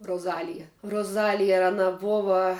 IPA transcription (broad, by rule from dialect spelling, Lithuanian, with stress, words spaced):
roːˈzɑːlʲɪjɛ roːˈzɑːlʲɪjɛ ɐˈnɐ ˈboːʋɐ